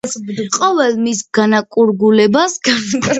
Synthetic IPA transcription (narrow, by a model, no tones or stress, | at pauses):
qʼɔvɛlmisɡ̥anakʼuɾɡulɛbasɡan